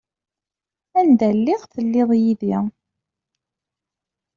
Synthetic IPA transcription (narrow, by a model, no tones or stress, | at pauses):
ænd̪ælːɪʁθəlːɪðˤjiði